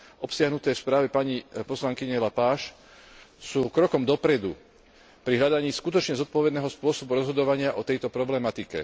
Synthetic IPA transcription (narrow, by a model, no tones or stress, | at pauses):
ʔɔpsɪaɦnut̪ɛːfspɾaːʋɛpaɲipɔslaŋkiɲɛlapaːʃ | suːkɾɔkɔmd̪ɔpɾɛd̪ṵ | pɾiɦʎad̪aɲiːskut̪ɔt͡ʃɲɛzɔt̪̚pɔʋɛd̪nɛːɦɔspʊɔsɔbuɾɔzɦɔd̪ɔʋaɲɪaʔɔt̪ɛjt̪ɔpɾɔblɛmat̪ikɛ̰